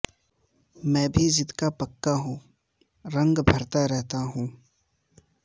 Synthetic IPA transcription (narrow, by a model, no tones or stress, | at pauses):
mɛ̃ːbʱid͡ʒɪt̪kapɐkːaɦũː | ɾɐ̃ŋɡbʱɐɾt̪aɾɛɦt̪aɦũː